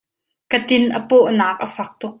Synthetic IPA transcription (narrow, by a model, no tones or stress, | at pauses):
kət̪ɪnʔəpoʔnaːk̚ʔɐfɐk̚t̪ʊk̚